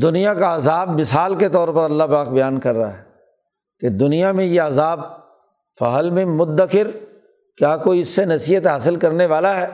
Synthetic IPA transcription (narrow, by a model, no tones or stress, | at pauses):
d̪ʊnijãkaɐzaːbmɪsaːlket̪ɔːɾpɐɾɐlːapaːkbɐjaːnkɐɾːaɦɛː | ked̪ʊnijamẽjeɐzaːb | fɐ̰ɦəlmẽmʊd̪ːəkɪɾ | kjaːkoːiɪsːenɐsiːɦət̪ɦaːsɪlkɐɾneʋaːlaɦɛː